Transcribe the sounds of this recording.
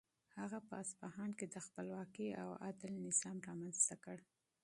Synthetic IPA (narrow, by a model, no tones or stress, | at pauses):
haɣapəasbahɑnked̪əxpəlwɑkia̰wa̰d̪ɪlnɪzɑmɾɑmanz̥t̪akəɽ